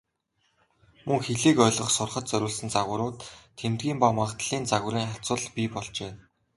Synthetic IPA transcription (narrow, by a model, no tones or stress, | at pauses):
mɵŋxeɮiːkœːɮʁɞ̆χsʊrχə̆t̪̚t͡sœɾʲʊːɮsɘ̆nt͡saɣwʊ̆ɾʊːt̪ʰːemt̪̚ɡʲiːmpamaʁt̪ɮ̥iːnt͡saɣʊ̆ɾiːŋχaɬt͡sʊːɮpʲipɔɮt͡ɕeː